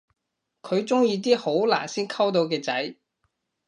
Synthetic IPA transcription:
kʰɵ˨˧ɥt͡sʊ˥ŋjiː˧t̪̬iː˥ho˨˥wla̰ː˨˩nsiː˥nkʰɐ˥wt̪̬o˨˧wkɛː˧t͡sɐ˨˥j

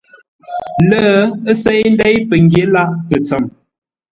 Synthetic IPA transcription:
lə˦ə˦sɛ˦jn̩˦dɛ˦jpə˨ŋɡje˦la˦pə˨t͡sə˨m

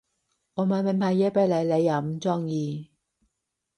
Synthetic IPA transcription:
ɔː˨˧ma˨˧˦me˨˧˩npʰaː˨˧˩jɛː˧˥pe˨˧˥lɐ˨˧jle˨˧jɐ˨˩m˦t͡sɔː˥ŋjiː˧

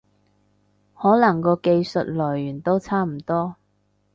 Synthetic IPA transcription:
hɔː˨˥lɐ˨˩ŋkɔː˧ke˧jsɵ˨t̚lɔː˨˩jːyː˨˩nt̪o˥wt͡sʰaː˥m̩˨˩t̪ɔː˥

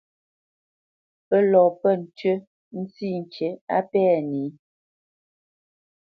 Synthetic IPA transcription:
pə˦lɔ˨pə˦˨n̩˨tɥə˦ | n̩˦si˦˨n̩˨t͡ʃe˨˦a˦pɛː˦˨ni˨˦

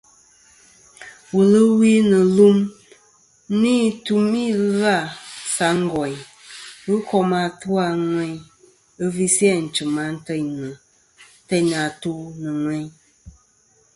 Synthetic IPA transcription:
wə˨lɨ˦wi˦nɨ˨lu˦m | ni˦tu˦mi˦la˦˨sa˨˦ŋ̩˦ɡɔ˨ɲ˨ | wɨ˦kɔ˦ma˨tu˦a˨ŋʷwɛ˦ɲ | ɨ˦vi˦si˦ɛ˦˨n̩˨t͡ʃɨ˨ma˨˦n̩˦tə˦ɲnɨ˨ | te˦na˨tu˦nɨ˨ŋwɛ˦ɲ

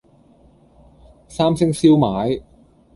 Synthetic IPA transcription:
saː˥msɪ˥ŋsiː˥wmaː˨˥j

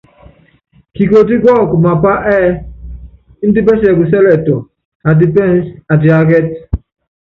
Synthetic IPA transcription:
ki˨ko˨t̬i˦ɡɔ˦˨ku˨ma˨pa˦ʔɛː˦ | n̩˦di˦bɛ˦s̬ɛ˨ku˨s̬ɛ˦lɛ˨to˨ | a˨d̬i˦pɛ˦n˦sa˨d̬i˨a˨ɡɛ˦t̚

